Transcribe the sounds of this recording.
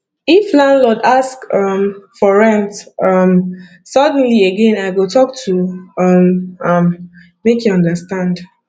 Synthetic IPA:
iflãndlɔdaskʌmfɔɹɛ̃ntʌm | sʌd̃n̩lieɡẽnaɪɡotʰɔk̚tʰuʌmʌmː | ekjuɔ̃ndəstãnd

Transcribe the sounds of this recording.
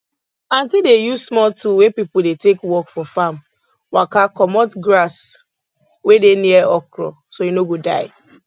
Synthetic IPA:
ãntildejuzsmɔltuwepipʊdetekwɔkfɔfam | wakakɔmɔtɡɾas | wedeniɛɔkɹɔ̰ | sojunoɡoda̰ɪ

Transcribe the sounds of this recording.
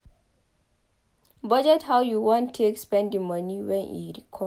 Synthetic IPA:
bʌd͡ʒɛthawjuwɔ̃ntʰːekspɛ̃ndĩmʌniwɛ̃nḭɾikʰɔ

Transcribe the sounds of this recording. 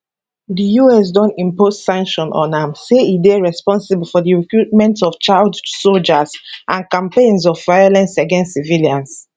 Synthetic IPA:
dijuɛs̬dɔ̃ntĩmpossãŋkʃɔ̃nʔɔ̰̃nãmseideɹɛspɔ̃nsiblfɔdiɹikɹut̚mɛ̃ntɔft͡ʃaldsold͡ʒazʔãnkãmpẽnsɔvːaɪolɛ̃nsaɡɛ̃nstsiviliãns

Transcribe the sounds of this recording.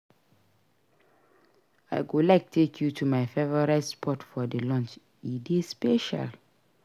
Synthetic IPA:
a̰ɪɡolaɪk̚tʰekʰjutʰumaɪfevɔɹatspʰɔtfɔdəlɔ̃nt͡ʃ | idespeʃa̰l

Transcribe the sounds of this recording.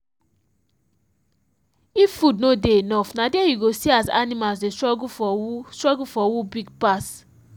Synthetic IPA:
iffudnodeenɔfnadejiɡosiaza̰nimalsdestɹɔɡufɔstɹɔɡufɔwubiɡ̚pas

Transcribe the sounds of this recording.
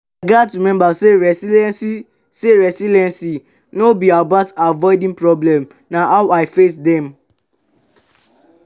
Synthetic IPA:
aɡatɹimɛ̃mbaseɹɛsilɛsi | seɹɛsilɛ̃nsi | nobiabatavɔɪdĩŋpɹɔblɛ̃m | nahaʊaɪfesdɛ̃m

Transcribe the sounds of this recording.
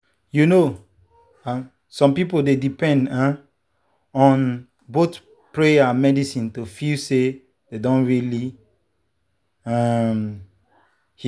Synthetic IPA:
juno | ã | sɔ̃mpipoldedipɛ̃ndã | ɔ̃n | bot | pɹeamɛdisĩntofilse | dedɔ̃nɹili | am | h

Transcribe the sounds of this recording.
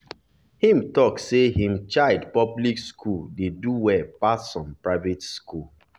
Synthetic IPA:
hĩmtɔksehĩmt͡ʃaɪdpɔblikskʰuldeduwɛpassɔ̃mpɹaɪvetskul

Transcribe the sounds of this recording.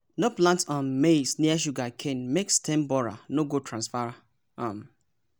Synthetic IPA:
noplãntɔ̃nmesniaʃ̬uɡakʰẽnmekstẽmbɔɾa̰noɡotɾãnsfaɾ | am

